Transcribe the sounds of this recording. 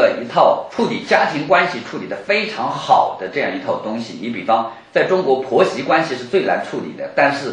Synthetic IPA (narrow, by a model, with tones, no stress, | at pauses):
ə˧i˧˥t̪ʰɑ˥˧ʊʈ͡ʂʰu˥˩t̪ḭ˨˩t͡ɕja˥t̪ʰi˧˥ŋkwa˥nɕi˨ʈ͡ʂʰu˥˩t̪i˨˩d̪ə˦fe˥ɪʈ͡ʂʰɑ˧˥ŋxɑ˨˩ʊd̪̥ə˦ʈ͡ʂɤ˥˧jɑ˥˩ŋi˧˥t̪ʰɑ˥˩ʊt̪ʊ˥ŋɕḭ˨ni˧˥pi˨˩fɑ˥ŋ | t͡sa˥˩ɪʈ͡ʂʊ˥ŋkwɔ˧˥pʰwɔ˧˥ɕi˧˥kwa˥nɕi˨˧ʂɻ̩˥˧t͡swe˥˩ɪla̰˧˥nʈ͡ʂʰu˥˩t̪ḭ˨˩d̪ə˦t̪a˥˧nʂɻ̩˥˩